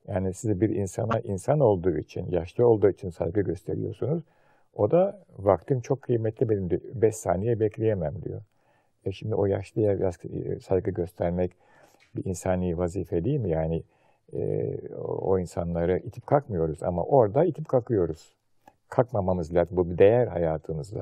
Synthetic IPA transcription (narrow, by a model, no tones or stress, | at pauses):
jaːnisizɛbiɾḭnsa̰naʔinsano̞lˠd̪uːḭt͡ʃʰinjaʃlˠɯo̞lˠd̪uːit͡ʃʰinsa̰jɡɯɟø̞st̪ʰe̞ɾḭjo̞̰ɾsunuz̥ | o̞d̪avak̚t̪ʰɯmt͡ʃʰo̞kʰːɯjmɛt̪ʰlʲibenimd̪ibɛʃsa̰ːnejɛbɛclʲejemæmd̪ḭjo̞̰ | ɛʃimd̪io̞jaʃlˠɯjajassajɡɯɟø̞st̪ʰæɾmɛc | biʔinsanˠɯjivaziːfɛd̪iilʲmijaːnɪ | ɛ̰ | o̰insanlˠaɾɯʔit̪ʰi̥p̚kʰakmɯjo̞ɾuza̰ma̰ʔo̞ɾd̪ait̪ʰipkʰakʰɯjo̞ɾuz̥ | kʰakmamamɯzlʲaːt̪ɯmbubid̪e̞jæɾha̰jaːt̪ʰɯmɯzd̪a̰